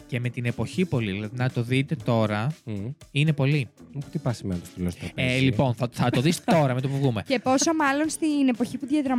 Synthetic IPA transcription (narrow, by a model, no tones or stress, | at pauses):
ce̞me̞t̪ine̞po̞çipo̞liðilɐðinɐt̪o̞ðit̪e̞t̪o̞ɾɐ | ine̞po̞lit̪ipɐsimenɐt̪o̥st̪ilosɐpelipo̞nθɐθɐt̪o̞ðist̪o̞ɾɐmeopuvɣume̞cepo̞somɐlo̞nst̪ine̞po̞çipuðjɐðɾɐ